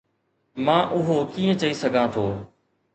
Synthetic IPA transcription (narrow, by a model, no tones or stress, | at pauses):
mãːʔʊɦoːkĩːə̃t͡ʃɐisɐɡʱãt̪ʰoː